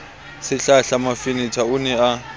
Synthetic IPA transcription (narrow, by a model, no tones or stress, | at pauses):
sɪɬaɬamafɪnitʰaʊnɛa